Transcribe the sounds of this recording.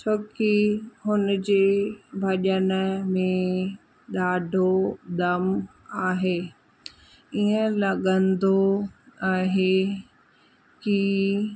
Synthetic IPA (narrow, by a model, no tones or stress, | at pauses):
t͡ɕʰoːkihʊnd͡ʑeːbʱɐʄənəmẽ | ɗ̪aːɖʱod̪ɐm | aːɦeː | iə̃lɐɠə̃nd̪oaːɦeː | ki